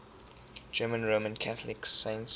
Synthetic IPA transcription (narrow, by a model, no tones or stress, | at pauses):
d͡ʒɜːmə̃nɹomə̃nkʰaθlɪksẽɪ̃nts